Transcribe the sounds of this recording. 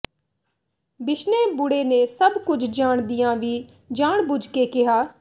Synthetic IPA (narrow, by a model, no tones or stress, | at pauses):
bɪʃneːbʊɽeːneːsəbkʊd͡ʒʰd͡ʒaːɳd̪ijãːʋiː | d͡ʒaːɳbʊd͡ʒkeːkɪɦaː